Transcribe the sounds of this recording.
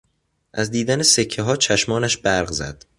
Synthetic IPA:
ʔæzd̪iːd̪ænese̞cʰːeɦɒːt͡ʃʰæʃmɒːnæʃbæɾɢzæ̰d̪̥

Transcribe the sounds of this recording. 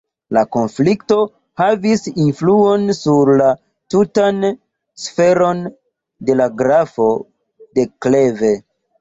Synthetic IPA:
lako̞nflikto̞ | havisinfluo̞nsuɾla | tutan | sfe̞ɾo̞n | de̞laɡɾafo̞ | de̞kle̞ve̞

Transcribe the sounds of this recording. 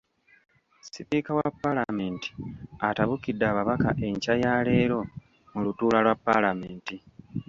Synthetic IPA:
sipikawapːalame̞ːnti̥ataβukidːaːβaβakaʔe̞ɲcajaːle̞ːɾo̞ | mulutuːlalwapːalame̞ːnti

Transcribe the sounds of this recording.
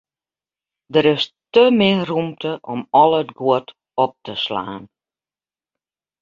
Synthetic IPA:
dəɾɪstəmɪrumtʰəʔɔmɔlˠətɡwʊt | ɔp̚təsla̰ːn

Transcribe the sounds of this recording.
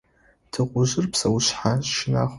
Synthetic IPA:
dʰɨqʷʼʊʒɪrpʰsawuʃħaʃɪna̰χ

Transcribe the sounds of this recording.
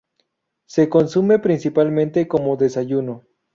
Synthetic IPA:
se̞ko̞nsume̞pɾinsipalmẽnt̪eko̞moðesaʝuno

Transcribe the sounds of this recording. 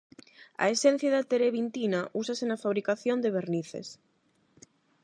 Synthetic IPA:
a̰esen̟θjaðat̪eɾeβint̪inaʔusasenafaβɾikaθjond̪eβeɾniθḛs

